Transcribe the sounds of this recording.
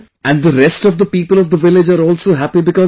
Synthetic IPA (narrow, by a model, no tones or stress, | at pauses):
ʔæ̃ɳɖd̪əɾɛsʈɔʋd̪əpiːpəlɔʋd̪əʋɪlɪd͡ʒaːɾɔːlsoːɦæpibɪkɔ